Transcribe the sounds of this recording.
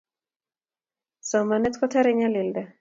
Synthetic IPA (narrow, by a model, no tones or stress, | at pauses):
sɔmanɛt̪kɔtaɾɛɲalɪldɛ